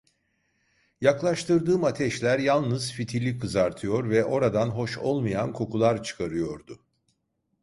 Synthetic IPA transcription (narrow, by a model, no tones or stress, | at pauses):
jaklˠaʃt̪ʰɯɾd̪ɯːmat̪ʰɛʃlʲæɾjalˠnɯz̥fit̪ʰilʲikʰːɯzaɾt̪ʰɯjo̞ɾvɛʔo̞ɾad̪anɦo̞ʃo̞̰lˠmajankʰo̞kʰulˠaɾt͡ʃʰɯ̥kʰaɾɯjo̞ɾd̪ʊ